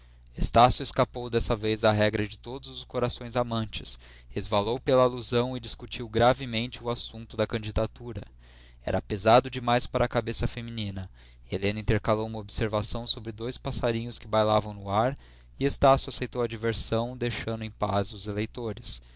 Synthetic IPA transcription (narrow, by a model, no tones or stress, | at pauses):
est̪asjʊeskapowd̪ɛsɐvejzɐɦɛɡɾɐd͡ʒɪt̪od̪ʊzʊskoɾasõj̃zamɐ̃nt͡ʃɪ̥s | ezvalowpelɐːluzɐ̃w̃ɪd͡ʒiskut͡ʃiwɡɾavɪmẽnt͡ʃɪʊasũnt̪ʊd̪ɐkɐ̃d͡ʒid̪at̪uɾɐ̰ | ɛ̰ɾɐpezad̪ʊd͡ʒɪmajspaɾɐːkabesɐfeminĩnɐ | elẽnɐĩt̪eɾkalowũmɐobseɾvasɐ̃w̃sobɾɪd̪ojspasaɾĩɲʊskɪbajlavɐ̃w̃nʊaɾ | ɪest̪asjʊasejt̪owɐd͡ʒiveɾsɐ̃w̃d̪ejʃɐ̃nd̪ʊẽj̃pazʊzelejt̪oɾɪs